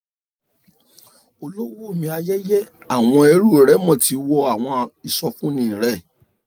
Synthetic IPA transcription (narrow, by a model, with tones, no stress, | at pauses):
o˧lo˦wo˦˨mĩ˧a˧jɛ˦jɛ˦a˨w̃ɔ̃˧e˧˦ɾu˦˨ɾɛ˦mɔ̃˦˨ti˧˦wɔ˧a˨w̃ɔ̃˧i˨sɔ˧fũ˦nĩ˦˨ɾɛ˦˨